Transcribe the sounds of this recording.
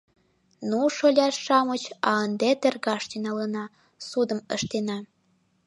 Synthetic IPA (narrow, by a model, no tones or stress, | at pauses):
nuʃolʲɑʃʃɑmət͡ɕɑənd̪et̪erɣɑʃt̪enɑlənɑ | sud̪ə̆məʃt̪enɑ